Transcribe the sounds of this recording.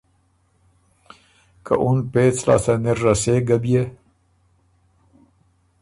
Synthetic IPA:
ka̰ʔunpet͡slɑ̰ːsaneɾːaseɡabije

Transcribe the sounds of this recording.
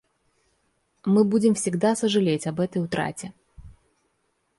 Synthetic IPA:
mɨbudʲɪmfsʲɪɡd̪asəʐɨlʲetʲɐbɛt̪əjʊt̪ɾa̰tʲɪ

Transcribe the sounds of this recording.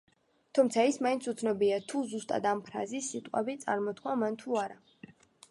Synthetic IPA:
t̪ʰumt̪sʰaismaint̪sʰut̪sʰnɔbiat̪ʰuzust̪ʼa̰d̪ampʰɾa̰zisːit̪ʼqʼa̰bit̪sʼa̰ɾmɔt̪kʰwamant̪ʰuaɾa

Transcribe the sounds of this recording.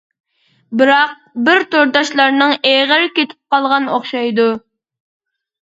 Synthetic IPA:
bɪɾɑq̚bɪɾt̪oɾd̪ɑʃlˠɑɾnɨŋeʁəɾkʲet̪ʰɪ̥p̚qɑlˠʁɑnoχʃɑjd̪u

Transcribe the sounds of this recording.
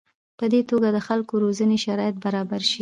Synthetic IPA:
pəd̪et̪oɡad̪əxalkoɾozəneʃaɾɑjat̪̚baɾɑbaɾʃi

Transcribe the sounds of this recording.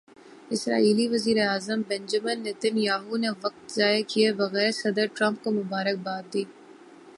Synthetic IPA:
ɪsɾa̰ːiːliʋɐziːɾeaːzəmbɛ̃nd͡ʒəmənːed̪ɪnjaːɦuneʋɐk̚t̪zaːekieʋɐɣɛːɾesɐd̪əɾʈɾɐ̃mp̚komʊbaːɾək̚baːt̪̚d̪iː

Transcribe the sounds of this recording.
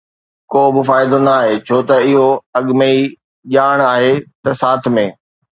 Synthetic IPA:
koːbɪfaːɪd̪ənaːɦeːt͡ɕʰoːt̪ɐɪɦoɐɠmei | ʄaːɽ̃aːɦet̪ɐsaːt̪ʰmẽː

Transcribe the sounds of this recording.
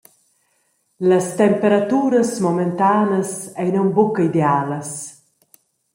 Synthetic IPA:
ləst̪ɛmpeɾat̪uːɾəsmɔment̪aːnəsɛjnɔmbukəid̪eaːləs

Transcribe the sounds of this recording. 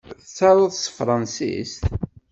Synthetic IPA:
θət͡sːɑɾˤəðˤsfɾˤɑnsḭst̪

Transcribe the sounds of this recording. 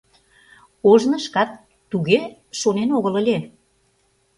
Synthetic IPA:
oʒnə̆ʃkɑt̪ː | uɣeʃonenoɣələ̆lʲe

